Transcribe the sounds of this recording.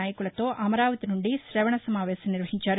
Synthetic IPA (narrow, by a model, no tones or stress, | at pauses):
aːjɐkuɭɐt̪o̞ːʔɐmɐɾaːʋɐt̪inuɳɖiʃɾɐʋɐɳɐsɐmaːʋɛːsɐmniɾʋɐɦiɲt͡ʃaːɾ